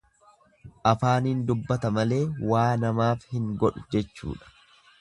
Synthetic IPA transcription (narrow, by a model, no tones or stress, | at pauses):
ʔɐfaːniːnd̪ʊbːɐt̪ɐmɐle̞ːwaːnɐmaːfhɪŋɡɔᶑʊd͡ʒɛt͡ʃːṵːᶑɐ̥